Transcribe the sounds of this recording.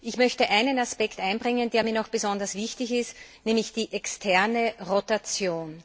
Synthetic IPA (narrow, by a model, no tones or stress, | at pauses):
ʔɪçmœçtəʔæɪnənaspɛktʔæɪnbʁɪŋəndeːɐmiːɐnɔxb̥əzɔndɐsv̥ɪçtɪçɪstnɛːmlɪçd̥iːʔɛkstʰɛɐnəʁotat͡sjoːn